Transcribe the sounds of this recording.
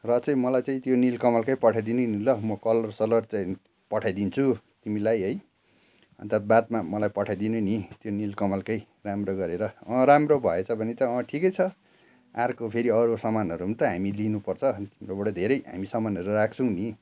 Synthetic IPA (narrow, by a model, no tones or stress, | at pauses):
rʌt͡sʌĩmʌlajt͡saĩt̪jonilkʌmalkʌjpʌʈʰajd̪inunilʌmʌkʌlʌrsʌlʌrt͡saĩ | pʌʈʰajd̪int͡sʰu | t̪imilajɦʌj | ʌ̰nt̪at̪̚bat̪mamʌlajpʌʈʰajd̪inunit̪jonilkʌmalkʌj | ramroɡʌɾeɾʌɾamrobʱʌet͡sʰʌbʱʌnet̪ʌʌʈʰikʌjt͡sʰʌ | arkopʰeɾiʌɾosʌmanʌɾuɦnt̪ʌɦamilinupʌrt͡sʰʌt̪imiobʌɽʌd̪ʱeɾʌjɦa̰misʌmanʌɾurak̚ʰt͡sʰʌ̃w̃ni